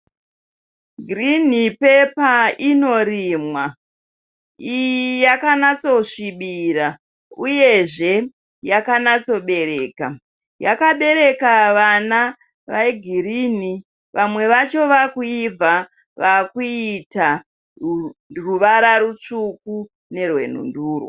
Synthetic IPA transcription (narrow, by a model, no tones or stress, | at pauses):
ɡʱirin̤ipe̞paino̞ɾiːmwa | ijijakanat͡so̞ʂiɓiɾa | uje̞ʐe̞ | jakanat͡so̞ɓe̞ɾe̞ːka̰ | jakaɓe̞ɾe̞kaʋana | ʋaeɡʱiɾini | ʋamwe̞ʋat͡ʃo̞ʋakuib͡va | ʋakuita | ruʋaɾaɾut͡ʂuku | ne̞rwe̞̰n̤ṵnduːrwo̰